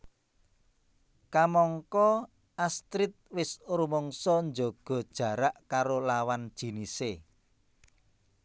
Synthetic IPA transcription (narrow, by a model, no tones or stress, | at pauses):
kamɔŋkɔ | ast̪ɾɪt̪̚wɪsɾumɔŋsɔnd͡ʒɔɡ̥ɔ̤d̥ʒ̥ä̤ɾaʔkaɾolawand̥ʒ̥i̤nise